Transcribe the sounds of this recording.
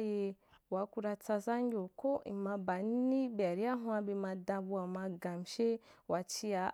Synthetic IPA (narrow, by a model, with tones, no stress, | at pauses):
je˨ | wa˨˦ku˦ɾa˧t͡sa˧za˦ŋ˦ɡʲo˨ko˦i˨ma˨ba˨n˦i˦bi˨a˨ɾi˦a˦ɦwã˦bi˨ma˨da˧bu˦a˨ma˨ɡa˨m˨ʃe˦wa˨t͡ʃi˦a˨